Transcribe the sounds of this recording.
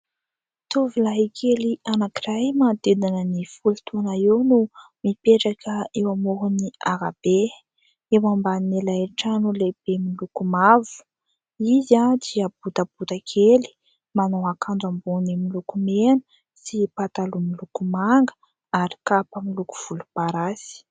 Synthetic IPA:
t̪uvilaɦikʰelianakiɾajmad̪ed̪anənifulut̪ʰunaewnumipeʈ͡ʂakʰəewamoɦuniaɾab̥e | ewambanelaeʈ͡ʂanuleb̥emilukumavu̥ | izad̪iabut̪ab̥ut̪akʰeli̥ | manowakanɖ͡ʐambunimilukumenə̥ | sipat̪alumilukumaŋɡə̥ | aɾi̥kapəmiluku̥v̥ulupaɾasi̥

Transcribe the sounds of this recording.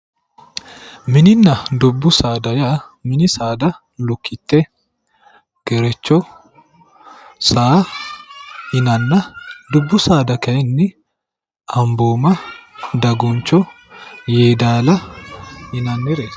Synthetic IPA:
mɪnɪnːɐd̪ʊbːʊsaːd̪ɐja | mɪnɪsaːd̪ɐ | lʊkːɪt̪ːɛ | ɡ̥ɛɾɛt͡ʃːɔ | saː | ɪnɐnːɐd̪ʊbːʊsaːd̪ɐkɐjɛnːɪ | ɐmboːmɐd̪ɐɡɔnt͡ʃːɔ | jeːd̪aːlɐ | hɪnɐnːɛɾɛ

